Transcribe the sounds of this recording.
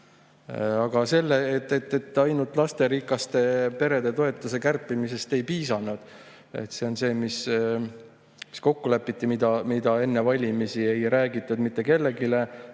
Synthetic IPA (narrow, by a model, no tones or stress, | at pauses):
ɑɡ̥ɑse̞lːeet̪ːet̪ːet̪ːˑɑjnult̪ːˑlɑst̪e̞ɾikːˑɑst̪e̞pe̞ɾe̞d̪e̞t̪o̞e̞t̪ːˑuse̞kærpːˑimise̞st̪e̞jpiːsɑnːud̪̥ | e̞̰t̪se̞o̞nse̞ːmis | mi̥sko̞kːulæpːˑit̪ːimid̪ɑmid̪̥ɑe̞nːe̞vɑlʲimisie̞jɾæːɡit̪ːˑud̪mit̪ːˑe̞ke̞lːe̞ɡile̞